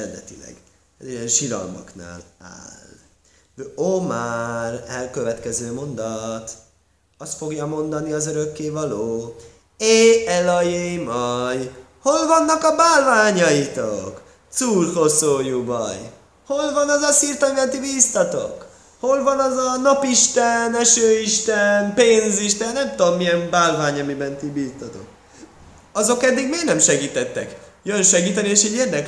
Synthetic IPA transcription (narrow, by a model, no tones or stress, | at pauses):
ɛd̪ɛt̪ilɛ̰ɡ | ɛ̰zijɛnʃilɒ̰lmɒ̰kna̰ːla̰ːl | vomarɛlkø̞vɛt̪kɛzøːmo̞nd̪ɒt̪ | ɒst̪fo̞ɡjɒmo̞nd̪ɒniɒzøɾø̞kːeːvɒloː | eɛlɒjemɒj | ho̞lvɒnːɒkɒbaːlvaːɲɒit̪ok | t̪suːrhosoːjubɒ̰j | ho̞lvɒnɒzɒsiːrt̪ɒmibɛnt̪ibiːst̪ɒt̪o̰k | ho̞lvɒnɒzɒnɒpiʃt̪ɛnɛʃøːiʃt̪ɛnpeːnziʃt̪ɛnːɛmt̪oomːiɛmbaːlvaːɲɒmibɛnt̪ibiːst̪ɒt̪o̞̰k̚ | ɒzo̞kɛd̪ːiɡmeːɾnɛmʃɛɡiːt̪ɛt̪ːɛ̰kjønʃɛɡiːt̪ɛnieːʃɛɟːeːrd̪ɛk